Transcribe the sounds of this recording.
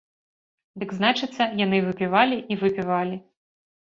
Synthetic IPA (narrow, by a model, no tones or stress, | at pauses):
d̪ɨɡznat͡ʂɨt̪sːɐjanɨvɨpʲivalʲiʔivɨpʲivalʲi